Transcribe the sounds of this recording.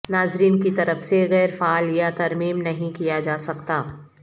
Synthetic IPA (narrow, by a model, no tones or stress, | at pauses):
naːzɾiːnkit̪ɐɾəfseɣɛːɾfaːljat̪ɐɾmiːmnɐɦĩkijad͡ʒaːsɐkt̪aː